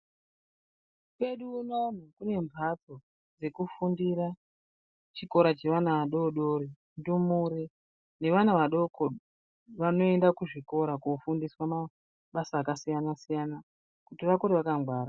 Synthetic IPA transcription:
kwe̞ɗuːnonokune̞ɱvʱad͡zo̞ | d͡ze̞kufundiɾa | t͡ʃiko̞ɾat͡ʃe̞ʋanaʋaɗoɗoɾi | ndumuɾi | ne̞ʋanaʋaɗoko | ʋano̞e̞ndakuʐiko̞ɾakofundiswama | ɓasaːkasijanasijana | kutiʋakoɾeʋakamɡwaːɾa

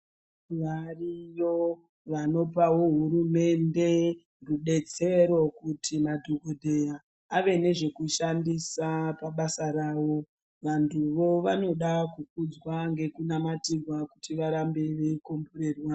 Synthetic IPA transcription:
ʋarijo | ʋano̞pawo̞ɦuɾume̞nde̞ | ruɓe̞t͡se̞ɾo̞kutʰimadʱoɡodʱe̞jaː | ʋe̞ne̞ʐe̞kuʃandisapaɓasaɾaːwo̞ | ʋantʰuʋo̞ʋano̞ɗakuk̚ud͡zwaŋɡe̞kunamatirwakutiʋaɾambe̞ʋekomboɾerwa

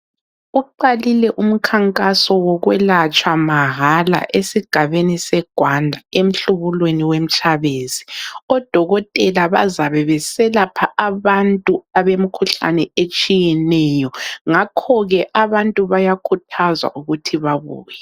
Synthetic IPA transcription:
uǃalilɛʔum̩kʰaŋkʼasɔwɔɣwɛlat͡ʃʼwamaɦala̰ʔesiɡ̥ʱaβenisɛɡ̥ʱwandʱaem̩ɬuβulweniwem̩t͡ʃʰʼaβeːziɔd̥ʱɔɣɔtʼɛlaβa̰zaβɛβɛsɛlapʰaʔːβantʼuaβemikʰuɬa̰nɛet͡ʃʼijɛnɛjɔŋakʰɔɣɛʔaβantʼuβajakʰutʰazwa̰ʔuɣutʰiβaβṵːjɛ

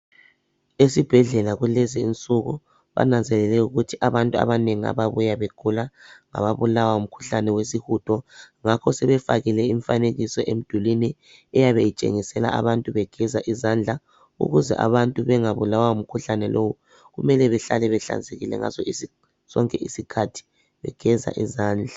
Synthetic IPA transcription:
esib̥ʱɛɮɛlaɣulɛziint͡sʼuɣṵ | βa̰nand͡zʱɛlɛlɛuɣutʰiʔaβantʼua̰βaneŋia̰βaβujaβeɡ̥ʰʱulaŋa̰βaβulawaum̩kʰu̥ɬanɛwes̬ihutʰɔŋakʰɔsɛβɛfaɣilɛiɱfaneɣisɔʔem̩d̥ʱulini | ɛjaβejit͡ʃʼḛŋisɛla̰a̰βantʼuβɛɡ̥ʱɛzaʔizand͡ɮʱa | ṵɣuzɛ̰ʔa̰βantʼuβɛŋaβulawaum̩kʰuɬanɛlʔowu | ɣumɛlɛβɛɬalɛβɛɬa̰nzʱeɣilɛ̰ŋa̰zɔisi | sɔŋkʼɛʔisikʰatʰi̥ | βɛ̰ɡ̥ʱɛza̰ʔizaːnd͡ɮʱa

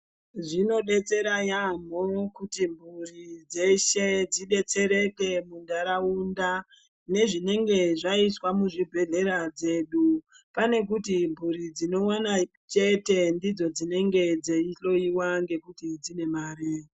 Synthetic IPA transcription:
ʐino̞ɗe̞t͡se̞ɾajam̤okutimbʱurid͡zeʃed͡ziɗe̞t͡se̞ɾe̞ke̞mundʱaɾaunda | ne̞ʐine̞ŋɡe̞ʐaiswamuʐibʱe̞ɮe̞ɾad͡ze̞ːɗu | pane̞k̬utimbʱuɾid͡zino̞wana | t͡ʃe̞te̞ndid͡zo̞d͡zine̞ŋɡe̞d͡zeiɬo̞iwaŋɡe̞kutid͡zine̞maːɾi

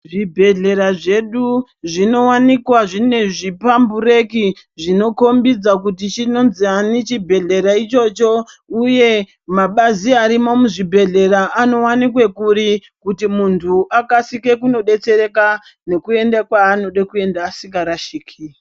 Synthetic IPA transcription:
ʐibʱe̞ɮe̞ɾaʐe̞ɗuʐino̞wanikwaʐine̞ʐipambuɾe̞ki | ʐino̞ko̞mbid͡zak̬utit͡ʃino̞nzianit͡ʃibʱe̞ɮe̞ɾait͡ʃo̞t͡ʃo̞ | uje̞ | maɓaziaɾimo̞muʐibʱe̞ɮe̞ɾaʔano̞wanikwe̞kuɾi | kutimuntʰuʔakasike̞kuno̞ɗe̞t͡se̞re̞ka | ne̞kue̞ndakwaːno̞ɗakue̞ndaːsiŋɡaɾaʃiːkʰi

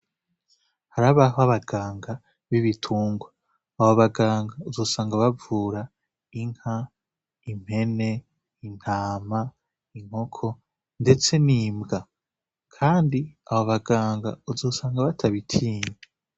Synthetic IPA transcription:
haɾaβaɦoaβaɡaːŋɡa | βiβitʰuːŋɡwaː | βoβaɡaːŋɡauzoːsaːŋɡaβavuːɾa | iŋ̥ha | im̥he̞ne̞ | in̥haːma | iŋ̥ho̞kʰo̞ | nde̞t͡se̞niːmɡa | kʰaːndiaβoβaɡaːŋɡa̰uzoːsaːŋɡaβatʰaβitʰiːɲe

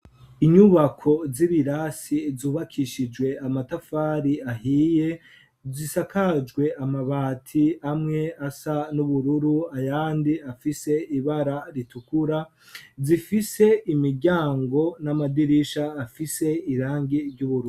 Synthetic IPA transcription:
iɲuβakʰo̞ziβiɾasizuːβakʰiʃid͡ʒwe̞amatafaːɾiahiːje̞ | zisakʰad͡ʒɡwe̞ʔamaβaːtʰiamŋe̞asanuβuɾuɾuajaːndiafise̞iβaɾaɾitukuɾa | zifise̞imiɾɡɟaːŋɡo̞namadiɾiʃaːfise̞iɾaːŋɡiɾɟuβuɾuɾu

